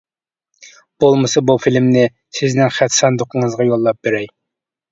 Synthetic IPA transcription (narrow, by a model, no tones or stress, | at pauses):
b̥olˠmɨsɑbufilmnɪ | sɪznɪŋχæt̪sɑnd̪oqəŋəzʁɑjolˠːɑp̚b̥eɾɛj